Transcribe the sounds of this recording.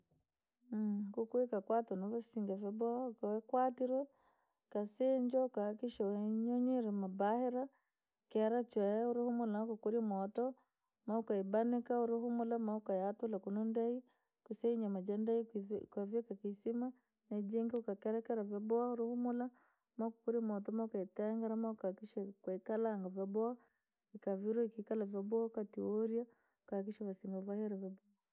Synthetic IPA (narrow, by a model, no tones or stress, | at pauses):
kukwikakwatɔnaβasiŋɡavabɔakɛkwatiɾwɛ | kaseɲd͡ʒaukahakiʃawɛɲoɲiɾimabaheɾa | kːɾat͡ʃwauɾuhumulanakukuɾimɔtɔ | maukaibanikauɾuɦumulamaukajatulakunundai | kusaiɲamad͡ʒandaikavekakisima | ned͡ʒiŋɡiukakeɾɛkɛɾavjabwauɾuhumula | maku̥kuɾimot̬omaukaiteŋɡeɾamakakiʃakwekalaŋɡavjabwa | ikaviɾwuikikalavabakatioɾja | ukak̬iʃaβasiŋɡavahiɾavaba